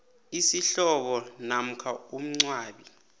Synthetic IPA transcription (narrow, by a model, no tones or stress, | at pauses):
isiɬɔɓɔnam̩kʰaum̩ŋ͡ǀwaːɓi